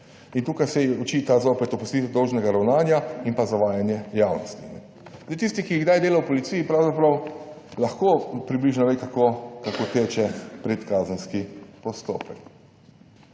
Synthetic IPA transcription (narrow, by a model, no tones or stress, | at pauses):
int̪uːkajsɛɔt͡ʃiːt̪azoːpɛt̪ɔpust̪iːt̪ɛd̪ɔwʒnɛɡaɾawnaːnjainpazaʋaːjanjɛjaːwnɔst̪inɛ | zd̪ejt̪ist̪ikijiɣɡd̪ajd̪eːlawpɔlit̪siːjipɾawzapɾɐw | laxkopɾibliːʒnɔʋejkakokakot̪eːt͡ʃɛpɾɛt̪kaːzənskipɔst̪o̰ːpɛk